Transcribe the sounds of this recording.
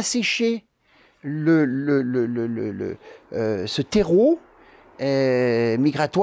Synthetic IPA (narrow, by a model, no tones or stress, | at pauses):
aseʃe | lələlələlə̰lə̰øsət̪eʁo | ɛmiɡʁat̪w